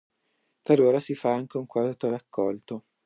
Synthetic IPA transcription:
t̪aloːɾasifaaŋk̟euŋkwat̪orakːɔlt̪o

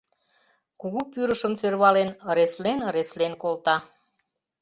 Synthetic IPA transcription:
kuɣupyɾəʃəmt͡serβɑlenəɾeslenəɾeslenkolt̪ɑ

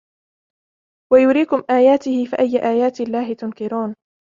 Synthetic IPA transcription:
wajʊɾiːkʊmʔaːjaːt̪ɪhɪfiʔajːʔaːjaːt̪lːaːɦɪt̪ʊnkɪɾuːn

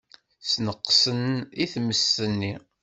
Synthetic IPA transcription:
snəqːsəniθməsənːi

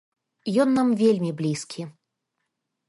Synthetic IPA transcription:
jɔnːamvʲelʲmʲiblʲiskʲʰi

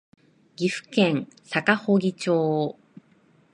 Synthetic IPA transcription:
ɡʲiɸɯ̥kẽ̞ŋsakahoɡʲit͡ɕoː

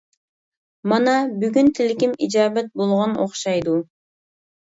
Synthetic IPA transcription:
mɑnɑbyɡynt̪ʰɪlkʲimid͡ʒɑːbæt̪̚bolˠʁɑnoχʃɑjd̪u

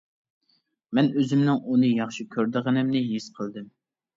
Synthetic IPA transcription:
mɛnøzymnɪŋunɨjɑχʃikʲʰøɾd̪əʁənɪmnɪɦisqʰəlˠd̪ɨm

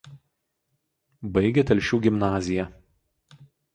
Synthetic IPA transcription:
bɐɪɡʲɛt̪ʲɛlʲʃʲuːɡʲɪmnɑːzʲɪjɛ

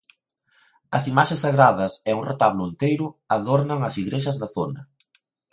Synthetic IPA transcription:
ɐsimaʃesːaɣɾaðɐsɛuŋret̪aβlʊent̪ejɾʊaðoɾnɐŋɐsiɣɾeʃɐzðɐθonɐ

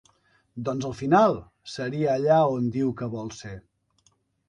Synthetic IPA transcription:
d̪ɔnzəlˠfinalˠ | səɾiəːʎaond̪iwkəβɔlˠse

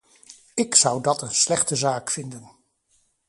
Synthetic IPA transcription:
ɪksʌwdɑtənslɛχtəzaːkfɪndən

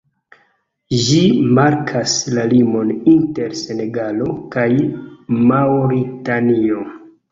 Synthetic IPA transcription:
ʒimaɾkʰaslalimo̞ninte̞ɾse̞ne̞ɡalo̞kajmawɾitanio̞

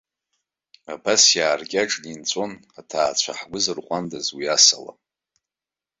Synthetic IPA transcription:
abasjaːrkʲʼaʈ͡ʂʼnint͡sʷʼo̞natʰaːt͡ɕʷʰaħɡʷʊzɨrqʷʼandazwiasala̰

